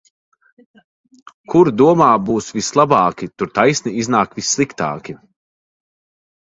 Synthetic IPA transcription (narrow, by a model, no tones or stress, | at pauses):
kʰuɾd̪uɔmaːbuːsvislˠabaːkʲit̪uɾt̪ajsniiznaːkvisːlˠikt̪a̰ːkʲi